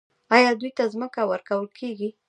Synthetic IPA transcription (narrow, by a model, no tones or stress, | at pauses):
ɑjɑd̪ujt̪azməkawəɾkawəlkʰeɡi